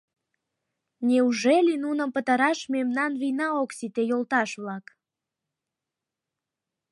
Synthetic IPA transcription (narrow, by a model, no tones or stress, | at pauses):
nʲeuʒelinunəmpət̪ɑɾɑʃmemnɑnβinɑoksit̪ejolt̪ɑʃβlɑk